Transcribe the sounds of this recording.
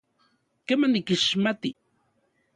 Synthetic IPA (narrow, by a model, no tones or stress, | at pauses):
kemanikɪʃmat̪i